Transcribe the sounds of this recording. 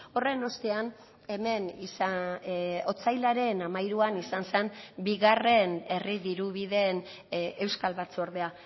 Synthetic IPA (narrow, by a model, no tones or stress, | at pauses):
o̞re̞no̞st̪e̞an | e̞me̞nisa | o̞t͡sajlaɾe̞namajɾuanisanse̞mbiɣare̞ne̞riðiɾuβiðe̞n | e̞wskalβat͡suoɾðe̞a